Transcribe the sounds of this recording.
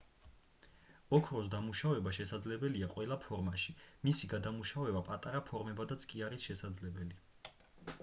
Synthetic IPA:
ɔkʰɾɔs̬d̪amuʃavɛbaʃɛsad̪zlɛbɛliaqʼwɛlˠapʰɔɾmaʃimisiɡad̪amuʃavɛbapʼat̪ʼaɾapʰɔɾmɛbad̪at̪sʰʼkʼiaɾisʃɛsad̪zlɛbɛli

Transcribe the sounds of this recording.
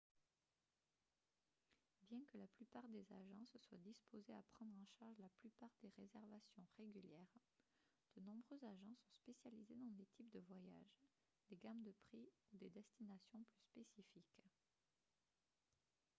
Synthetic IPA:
bjɛ̃kəlaplypaʁd̪eza̰ʒɑ̃səswad̪ispozeapχɑ̃d̪ʁɑ̃ʃaʁʒlaplypaʁd̪eʁezɛʁvasjɔ̃ʁeɡʲyljɛʁ | d̪̥ənɔ̃bʁøzaʒɑ̃sɔ̃spesjalized̪ɑ̃d̪et̪ʰipd̪əvwaja̰ʒ | d̪eɡamd̪əpχiud̪ed̪ɛst̪inasjɔ̃plyspesifik

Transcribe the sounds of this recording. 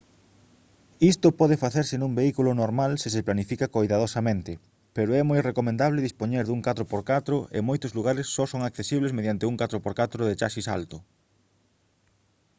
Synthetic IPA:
ist̪ʊpɔðɪfaθeɾsɪnũŋmbeikulʊnoɾmalsɪs̬ɪplanifikakojðaðosamẽnt̪ɪ | peɾoɛmojrekomẽnd̪aβlɪðispoɲeɾðuŋkat̪ɾopoɾkat̪ɾʊʔḛmojt̪ozluɣaɾɪsːɔsoŋakθesiβlezmeðjant̪ɪuŋkat̪ɾʊpoɾkat̪ɾʊðɪt͡ʃaʃisa̰lt̪ʊ

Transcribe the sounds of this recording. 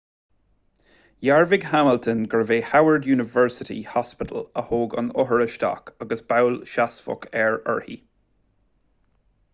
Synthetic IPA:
jaɹvɪɡhaməlt̪ʰənɡəɹveːhawəɹdjuːnɪvɛɹsɪtḭhɔspɪtʰələhoːɡə̰nʊɦəɹəʃtɑ̰kʰaɡəsb̥awlʃasfʊ̰kʰɛɹə̰ɹhḭ

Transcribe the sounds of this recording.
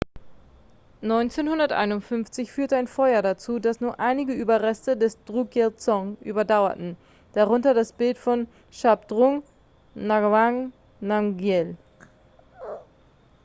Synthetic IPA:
nɔʏnt͡seːnhʊndɐtʔa̰ɪnʊntfʏnft͡sɪçfyːɐtəaɪnfɔʏɐɾat͡suːdasnuːɐʔaɪnɪɡəʔyːbɐʁɛstədɛsd̥ʁuɡɛlt͡sɔŋʔy̰ːbɐdaʊɐ̰tn̩ | d̥aʁʊntɐdasb̥ɪltfɔn | ʃapd̥ʁʊŋ | naɡvaŋ | naŋɡjɛl

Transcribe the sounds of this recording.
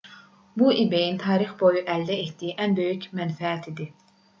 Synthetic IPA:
buʔibejint̪ʰɑːɾɨχbojuʔɛlːɛet̪ːiiʔɛnbøjykʲmɛnfɛːt̪ʰid̪ɪ

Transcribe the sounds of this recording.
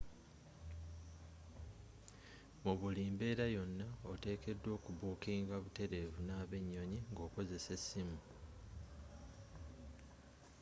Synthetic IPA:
muβuliːmbe̞ːɾajo̞nːaote̞ːke̞dːwo̞ːkuβuːkiːŋɡaβute̞ɾe̞vunaːβe̞ɲːo̞ɲiŋɡo̞ːko̞ze̞se̞sːimu

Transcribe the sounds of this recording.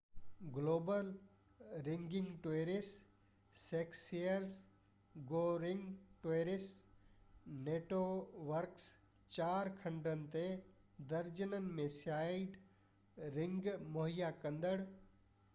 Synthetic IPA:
ɡloːbəl | ɾɪ̃ŋɡɪ̃ŋɡʈoeɾɪsː | eːksijəɾs | ɡoːɾɪ̃ŋɡʈoeɾɪs | neːʈoʋəɾks | t͡ʃaːɾkʰɐ̃ɳɖənɪ̆t̪e | d̪əɾd͡ʒənənɪ̆mẽsjaːɪɖ | ɾɪ̃ŋɡmoɦijakɐ̃nd̪əɽ

